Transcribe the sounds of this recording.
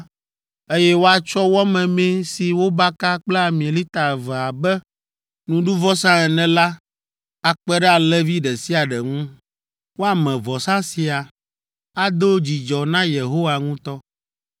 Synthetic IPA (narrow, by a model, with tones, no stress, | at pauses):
e˦jɛ˦wo˦a˨t͡ʃɔ˦wɔ˦mɛ̃˨mɛ̃˦si˨wo˦ba˦ka˦k͡plɛ˦a˨mĩ˨li˦t̪a˨vɛ˨a˨bɛ˦ | nũ˨ɖu˦vɔ˦sã˦ɛ˨nɛ̃˨la˦ | a˨k͡pɛ˦ɖɛ˦a˨lɛ˦vi˦ɖɛ˨si˦a˨ɖɛ˨ŋũ˦ | wo˦a˨mɛ̃˨vɔ˨sã˦si˨a˨ | a˦d̪o˦d͡ʑi˨d͡ʒɔ˨nã˦je˨ɦo˦wa˨ŋũ˦t̪ɔ˦